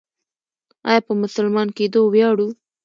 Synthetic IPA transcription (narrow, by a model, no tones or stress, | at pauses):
ɑ̰jɑpəmʊsʊlmɑnked̪owjɑɽu